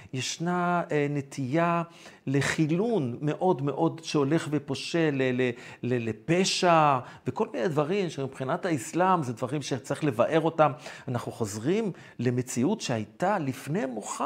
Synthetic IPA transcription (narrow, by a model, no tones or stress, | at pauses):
jeʃnane̞t̪ʰija | le̞χilunme̞ʔo̞dme̞ʔo̞dʃeo̞le̞χvepo̞ʃelelelelepe̞ʃaveko̞lminejdvaʁimʃemibχinathaislamzedvaʁimʃet͡saʁiχle̞vaʔe̞ʁo̞tamanaχnuχo̞zʁim | le̞me̞t͡siutʃehajt̪alifne̞jmuχa